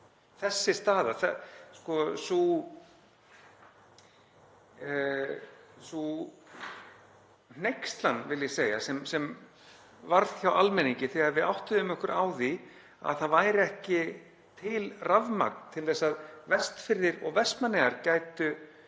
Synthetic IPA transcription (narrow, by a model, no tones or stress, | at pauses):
θɛsːɪst̪aːðaθɛskɔsu | su | nn̥ejkst̪lanvɪljɛseːja̰sɛmsɛm | vaɾðçjawʔalmɛniɲcɪθɛaɾvɪðawht̪ʏðʏmʏhkʏɾʔa̰ːwði | a̰ðθaðvaːjɾɛhcɪ | t̪ʰɪlravma̰k̚nt̪ʰɪlθɛsːaðvɛst̪fɪɾðɪɾɔ̰ɣvɛst̪manːɛɣaɾcaːjt̪ʏ